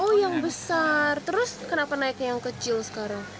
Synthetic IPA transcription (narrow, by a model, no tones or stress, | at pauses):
ʔɔjaŋbəsart̪əɾʊskənapanaɪkjaŋkət͡ʃɪlsə̥kaɾaŋ